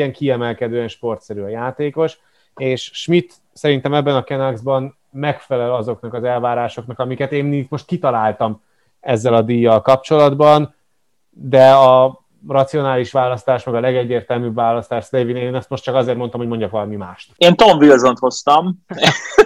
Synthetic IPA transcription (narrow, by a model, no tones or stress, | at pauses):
ɛŋkiɛmɛlkɛd̪øːɛnʃpo̞rt̪sɛɾyɒjaːt̪eːko̞ʃ | eːʃʃmit̪ | sɛɾint̪ɛmɛbːɛnɒkɛnɒɡzbɒn | mɛkfɛlɛlɒzo̞knɒkɒzɛlvaːɾaːʃo̞knɒkɒmikɛt̪eːnːik̪mo̞ʃt̪̚kit̪ɒlaːlt̪ɒm | ɛzːɛlɒd̪ijːɒlkɒp̚t͡ʃo̞lɒd̪bɒn | d̪ɛɒ | rɒt̪sio̞naːliʃʋaːlɒst̪aːʃmɛɡɒlɛɡɛɟːeːrt̪ɛlmyːbvaːlɒst̪aːʃslevineːnɛst̪mo̞ʃt̪t͡ʃɒkɒzeːrt̪mo̞nt̪ɒmɦo̞ɟmo̞ɲɟɒkʋɒlɒmimaːʃt̪eːnt̪oɱvilzont̪ho̞st̪ɒm